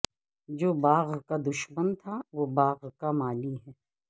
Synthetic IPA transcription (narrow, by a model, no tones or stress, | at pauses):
d͡ʒoːbaːɣkad̪ʊʃmənt̪ʰaʋobaːɣkamaːliɦɛː